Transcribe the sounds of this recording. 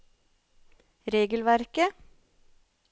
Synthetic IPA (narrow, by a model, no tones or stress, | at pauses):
ɾeːɡəl̩ʋæɾkə